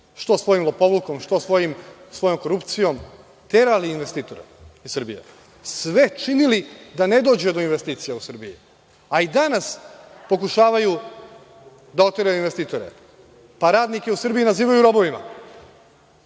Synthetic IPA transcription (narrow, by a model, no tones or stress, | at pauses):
ʃt̪o̞sʋo̞jimlˠopo̞ʋlukomʃt̪osʋo̞jimsʋo̞jo̞mko̞ɾupt̪sijo̞m | t̪eɾaliːnʋe̞st̪iːt̪o̞ɾḛissrbijḛ | sʋe̞t͡ʃinilid̪ane̞d̪o̞ːd͡ʑed̪o̞inʋest̪iːt̪sijausr̩biji | aid̪anaspo̞kuʃaːʋaju | d̪ao̞t̪ʋeɾajuinʋe̞st̪iːt̪o̞ɾḛ | paɾaːd̪nike̞usr̩bijinaziːʋajuɾo̞bo̞ʋima̰